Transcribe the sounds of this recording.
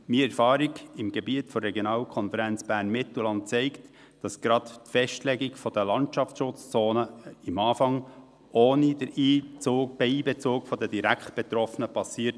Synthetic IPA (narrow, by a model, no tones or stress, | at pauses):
miːɛɾfɑːɾiɡɪmɡɛbiətfɔrːɛɡjonɑːlkʰɔnfɛɾænt͡sb̥æːɾnmɪt̪l̩lɑnt̚t͡sɛɪkt | d̥ɑsɡ̥ɾɑttfɛʃtlɛɡiɡfɔd̥əlɑntʃɑft͡sʃʊt͡st͡soːnəɪmɑːfɑŋ | ʔoːnidəɾiːt͡soːb̥ɛiːbɛt͡soːkfɔdəd̥iɾæktb̥ɛt̪ɾɔfənəpɑsiːəɾt